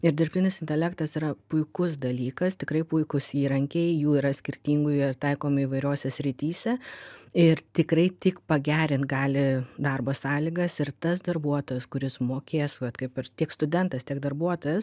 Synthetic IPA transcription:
ɪɾd̪ʲɪrʲpʲt̪ʲɪnʲɪsɪnʲt̪ʲɛlʲæːkt̪ɐsiɾɐpʊɪkʊsd̪ɐlʲiːkɐst̪ʲɪkɾɐɪpʊɪkʊsiːɾɐŋʲkʲɛɪjuːiːɾɐsʲkʲɪɾʲt̪ʲiːŋɡʊjɪt̪ɐɪkoːmɪiʋɐɪɾʲoːsʲɛsʲɾʲɪt̪ʲiːsʲɛɪrt̪ʲɪkɾɐɪt̪ʲɪkpɐɡʲæːɾʲɪnt̪̚ɡɑːlʲɪd̪ɑrboːsɑːlʲiɡɐsɪɾt̪ɐsd̪ɐrbuɔt̪oːjɛskʊɾʲɪsmoːkʲeːsʋɐt̪kɐɪpɐrt̪ʲiɛkst̪ʊd̪ʲɛnt̪ɐst̪ʲiɛɡ̚d̪ɐrbuɔt̪ojɛs

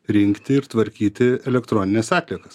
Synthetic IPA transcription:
ɾʲɪŋʲkt̪ʲɪɪɾt̪ʋɐɾʲkʲiːt̪ʲɪɛlʲɛkt̪ɾoːnʲɪnʲɛsɑːt̪ʲlʲiɛkɐs

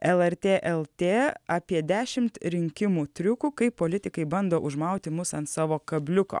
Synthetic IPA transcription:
ɛlˠɛɾʲt̪ʲeːʔɛlˠt̪ʲeːɑːpʲiɛd̪ʲæːʃʲɪmt̪ɾʲɪŋʲkʲɪmuːt̪ʲɾʲʊkuːkɐɪppːoːlʲɪt̪ʲɪkɐɪbɐnd̪oːʔʊʒmɐˑʊt̪ʲɪmʊsɐnt̪sɑːʋoːkɐbʲlʲʊko̰ː

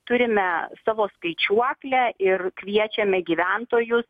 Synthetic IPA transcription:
t̪ʊɾʲɪmʲɛsɑːʋoːskɐɪt͡ʃʲuɔklʲɛʔɪrkʋʲiɛt͡ʃʲɛmʲɛɡʲiːʋʲænt̪oːjʊs

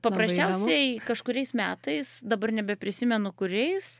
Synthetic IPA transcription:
pɐpɾɐsʲt͡ʃʲɛʊsʲɛɪkɐʃkʊɾʲɛɪsmʲæːt̪ɐɪsd̪ɐbɐrnʲɛbʲɛpʲɾʲɪsʲɪmʲɛnʊkʊɾʲɛɪs

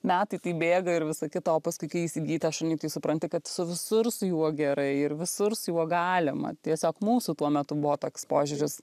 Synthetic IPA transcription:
mʲæːt̪ɐɪt̪ɐɪbʲeːɡɐɪɾʋʲɪsɐkʲɪt̪ɐoːpɐskʊɪkɐɪiːsʲɪɡʲiːt̪ɐɐʃɐnʲɐɪt̪ɐɪsʊpɾɐnʲt̪ʲɪkɐt̪sʊʋʲɪsʊrsʊjuɔɡʲɛɾɐɪɪɾʋʲɪsʊɾsjuɔɡɑːlʲɪmɐ̰t̪ʲiɛsʲoːkmuːsut̪uɔmʲɛt̪ʊbʊʋoːt̪oːkʲspoːʒʲʊɾʲɪs

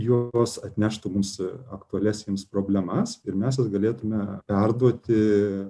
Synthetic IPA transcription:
juɔsɐt̪ʲnʲæːʃt̪ʊmumsɐkt̪ʊɐlʲæːsʲnʲespɾoːbʲlʲɛmɐsɪɾmʲæːsjɪsɡɐlʲeːt̪ʊmʲɛpʲɛrd̪uɔt̪ʲɪ

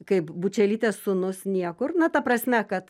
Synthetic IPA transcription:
kɐɪpbut͡ʃʲɛlʲiːt̪ʲeːssʊnʊsnʲiɛkʊrnɐt̪ɐprɐsʲmʲɛkɐt̪

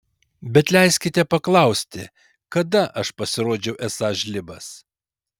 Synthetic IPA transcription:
bʲɛt̪lʲɛɪsʲkʲɪt̪ʲɛpɐklˠɐˑʊsʲt̪ʲɪ̰ | kɐd̪ɐʔɐʃpɐsʲɪɾoːd͡ʒʲɛʊʔɛsɑːʒʲlʲɪbɐs

